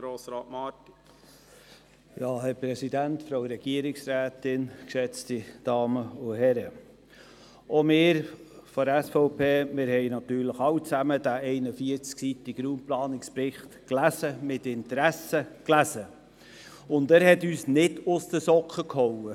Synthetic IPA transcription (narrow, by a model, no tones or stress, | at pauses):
ɾoːsɾɑːtmɑt | jɑːhɛɾpɾɛsid̪ænt̪fɾoʊɾɛɡ̥iəɾɪksɾæːt̪ɪnkʃɛt͡stid̥ɑːməʊɦɛɾə | ɔmɪːɾfɔɾɛsfɔʊpʰeːmɪɾhɛɪnɑt̪yːɾləχɑwt͡sæməd̪æʔɛɪnəfiəɾt͡sksit̪iɡ̥ɾuːmplɑːnɪkspɾɪχt̪klæsəmɪt̪ɪnt̪əɾæsəklæsə | ʊnd̪æːɾhɛt̪yːsnɪdʊst̪əsɔkχəkhɔwə